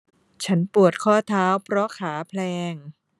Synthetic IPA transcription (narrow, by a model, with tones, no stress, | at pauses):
t͡ɕʰa˦˥npu˨˩ət̪̚kʰɔː˥˩t̪ʰaː˦˥wpʰɾɔ˦˥kʰaː˩˦pʰlɛː˧ŋ